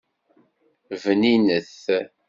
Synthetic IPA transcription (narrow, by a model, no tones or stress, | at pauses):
vəninəθ